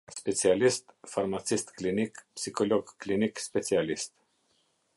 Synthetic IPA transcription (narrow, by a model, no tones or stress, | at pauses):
spet̪sialist̪farmat̪sist̪klinikpsikoloɡklinikspet̪sialist̪